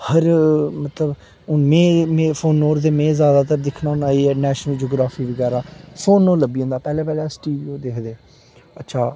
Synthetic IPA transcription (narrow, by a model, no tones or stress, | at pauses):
həɾmət̪ləb | ʊnmẽːmẽːpʰoːnːoːɾd̪eːmẽːzjaːd̪aːt̪əɾd̪ɪkʰnãːʊnaːeːɛːnɛːʃnəld͡ʒoːɡɾaːfʰiːʋəɡɛːɾaːpʰoːnːoːləbiːõnd̪aːpɛːlɛːpɛːlɛːsʈiːʋiːoːd̪eːkʰd̪eː | ətːʃʰaː